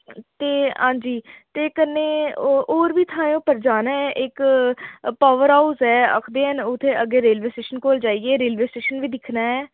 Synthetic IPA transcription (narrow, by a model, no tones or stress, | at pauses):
t̪eːɦãːɲd͡ʒiːt̪eːkənːeːoːɾʋiːt̪ʰãːõːpəɾd͡ʒaːnaːɛːʔɪk | paːʋəɾaːuzɦɛːə̰kʰd̪eːənʊt̪ʰːeːʔəɡeːɾeːlʋeːsʈeːʃənkoːld͡ʒaːiːɡeːɾeːlʋeːsʈeːʃənʋiːd̪ɪkʰnaːɦɛː